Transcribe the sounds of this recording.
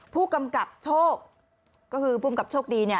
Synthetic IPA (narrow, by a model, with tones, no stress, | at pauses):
pʰuː˥˩ka˧mka˨˩p̚t͡ɕʰoː˥˩k̚ | kːɔː˥˩kʰɯː˧pʰuː˥˩˧ka˨˩p̚t͡ɕʰoː˥˩k̚diː˧ni˥˩ə